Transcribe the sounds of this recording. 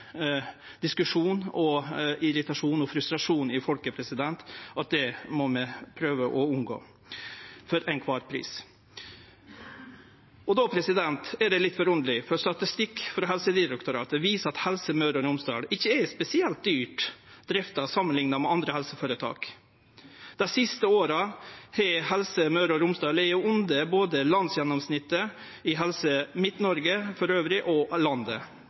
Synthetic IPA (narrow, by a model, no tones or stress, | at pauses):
d̪̥ɪskʉʂuːnɔɪɾɪt̪ɑʂuːnɔfɾʉst̪ɾɑʂuːnɪfɔlkəpʰɾɛsɪd̪ɛnt̪ɑt̪̚d̪ɛmɔmɛpʰɾøːʋəʔɔʉnɡo̰ː | fɔɾæɪnkʰʋɑːɾpʰɾḭːs | ɔd̪ɔpʰɾɛsɪd̪ɛnt̪ɛɖɛlɪt̪ːfɔɾʊnd̪əlɪfɔɾst̪ɑt̪ɪst̪ɪkːfɾɑɦɛlsəd̪ɪɾɛkt̪ʊɾɑ̰ːt̪əʋiːsəɑt̪hɛlsəmœʉɾɔɾʊmsd̪ɑ̰ːlɪçːəɛspɛsɪɛlt̪̚d̪yːʈd̪ɾɪft̪ɑsɑmːənlɪŋnɑmɛɑnd̪ɾəhɛlsəfɑɾət̪ʰɑ̰ːk | d̪̥æɪsɪst̪əoːɾɑhɛhɛlsəmɑʉɾɔɾʊmsd̪ɑːlɛjʊʊnd̪əboːd̪əlɑnsjɛnɔmsnɪt̪ːə | ɪɦɛlsəmɪt̪nɔɾɡəfɔɾøːʋɾɪʔɔlɑnd̪ə̰